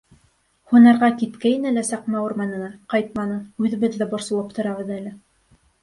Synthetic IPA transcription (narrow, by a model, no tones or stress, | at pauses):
hunɑɾʁɑkit̪kæjɘnælæsɑqmæuɾmɑnɤ̆nɑqɑjt̪̚mɑnɤʉðɘ̆βɘðːæbŏɾsɤ̆lˠɤp̚t̪ŏɾɑβɤ̆ðælɘ